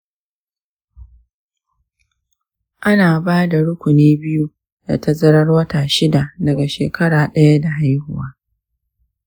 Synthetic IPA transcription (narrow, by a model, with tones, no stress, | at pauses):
ʔa˦naː˨baː˦da˨ɽʊ˦kʷʊ˨neː˦bɪ˦ju˦ | da̰˨tɐ˦zɐ˦ɽɐ˦rwɐ˦taː˨ʃɪ˦da˨dɐ˨ɡa˨ʃeː˨kʰɐ˦ɽaː˨ɗɐ˦ja˦da˨ɦa˦jhʊ̰˦waː˦